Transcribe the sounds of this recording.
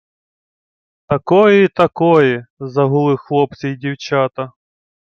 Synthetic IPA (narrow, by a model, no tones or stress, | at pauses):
t̪ɐkɔjɛit̪ɐkɔjɛzɐɦʊlˠɪxlˠɔp̪̚t͡sʲɛjdʲiwt͡ʃat̪ɐ